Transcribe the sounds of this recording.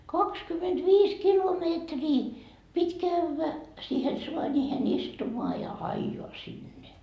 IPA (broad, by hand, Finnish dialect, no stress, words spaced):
kɑkskymetʋiːs kilomeːtriː pitʲ kæʋːæ siːhen suɑnʲiːhen istumoɑ jɑ ɑijoɑ sinːe